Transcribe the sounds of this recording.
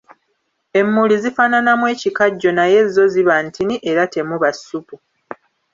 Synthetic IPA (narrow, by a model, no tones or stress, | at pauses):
e̞mːulizifaːnanamwe̞ːcikaɟːo̞naje̞zo̞ziβantiniʔe̞ɾate̞muβasupu